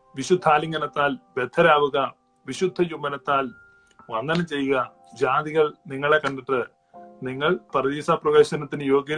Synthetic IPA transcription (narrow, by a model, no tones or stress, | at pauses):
ʋiɕud̪ʱːaːliŋɡɐnɐt̪ːaːlʋje̞d̪ʱʰɐɾaːʋuɣɐ | ʋiɕud̪ʱːɐjumbɐnɐt̪ːaːl | ʋɐnːɐnɐt͡ɕe̞jːuɣɐ | d͡ʑaːd̪iɣɐɭniŋːɐɭekɐɳɖɐʈːɨ | niŋːɐɭpɐrɐðiːsaːprɐʋeːɕɐnɐt̪ːinɨjo̞ːɡjɐ